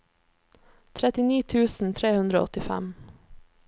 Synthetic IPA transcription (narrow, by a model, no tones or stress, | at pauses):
t̪ʰɾɛt̪ɪniːt̪ʰʉːsn̩t̪ʰɾeːhʉnd̪ɾo̰ːɔt̪ɪfæ̰m